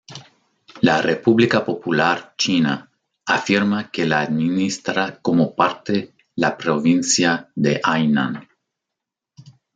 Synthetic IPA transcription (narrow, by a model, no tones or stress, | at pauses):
larepuβlikapo̞pulaɾt͡ʃina̰ː | fiɾmakelaːd̪minist̪ɾakomopaɾt̪e | lapɾovinsjad̪eʔajna̰n